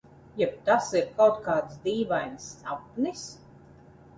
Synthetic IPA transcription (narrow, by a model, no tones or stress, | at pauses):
jɛp̚t̪asiɾkawt̪̚kaːt̪sd̪iːvajnsapnis